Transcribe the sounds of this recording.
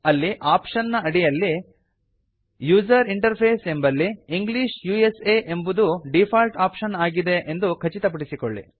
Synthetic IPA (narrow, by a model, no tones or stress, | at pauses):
ɐlːiʔaːpʂɐnːɐɐɽijɐlːi | juːd͡ʒɐɾiɳʈɐɾpʰeːse̞mbɐlːiːŋɡliʃjuːeseːʔembud̪uɖipʰaːlʈaːpʃɐnaːɡid̪e̞ʔend̪ukʰɐt͡ʃit̪ɐp̬ɐɽisikoɭːḭ